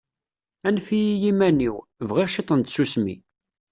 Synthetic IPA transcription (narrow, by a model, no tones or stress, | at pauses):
ænfijijimæniwvʁiʁʃit̪ˤənt̪susmḭ